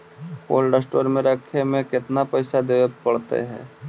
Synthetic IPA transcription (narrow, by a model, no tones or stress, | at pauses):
po̰ːlɖəsʈoːɾmẽɾəkʰemẽkɪt̪napɛɪsad̪eːʋəpɐɽt̪ḛɦɛ̰̃ː